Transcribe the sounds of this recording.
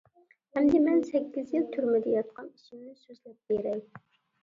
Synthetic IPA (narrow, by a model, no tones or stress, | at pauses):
hɛmd̪ɪmɛnsɛkʲːizjilˠt̪ʰyɾmɪd̪ɛjɑt̪̚qʰɑniʃimnɪsøzlɛp̚beɾɛj